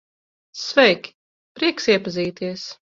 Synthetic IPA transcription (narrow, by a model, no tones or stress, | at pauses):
svɛjkʲ | pɾiɛksiɛpaziːt̪iɛs